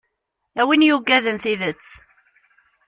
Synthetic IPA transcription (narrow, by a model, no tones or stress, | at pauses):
æwinjuɡːæðənθiðət͡sː